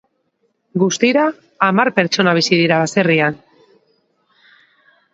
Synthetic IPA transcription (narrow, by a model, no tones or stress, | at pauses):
ɡust̪iɾaː | maɾpe̞ɾt͡ʃo̞naβ̞isiðiɾaβase̞rian